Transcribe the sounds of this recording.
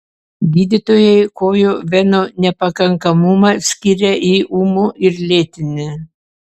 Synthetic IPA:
ɡʲiːd̪ʲɪt̪oːjɛɪkoːjoːʋʲɛnonʲɛpɐkɐŋkɐmʊmɐsʲkʲɪɾʲɛʔiːʔuːmʊʔɪɾlʲeːt̪ʲɪnʲɪ

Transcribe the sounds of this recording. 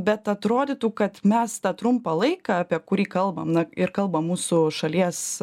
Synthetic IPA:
bʲɛt̪ɐt̪ɾoːd̪ʲɪt̪uːkɐt̪mʲɛst̪ɑːt̪ɾʊmpɐlˠɐɪkɑɑːpʲiɛkʊɾʲiːkɐlˠbɐmnɐɪɾkɐlˠbɐmmuːsʊʃɐlʲiɛs

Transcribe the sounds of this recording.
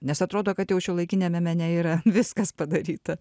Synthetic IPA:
nʲɛsɐt̪ɾoːd̪oːkɐt̪jɛʊʃʲɛlˠɐɪkʲɪnʲeːmʲɛmʲɛnʲɛiːɾɐʋʲɪskɐspɐd̪ɐɾʲiːt̪ɐ

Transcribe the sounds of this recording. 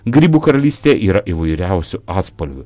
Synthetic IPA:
ɡɾʲiːbuːkɐɾɐlʲiːsʲt̪ʲeːʔiːɾɐʔiʋɐɪɾʲæˑʊsʲʊɑːspɐlʲʋʲʊ̰

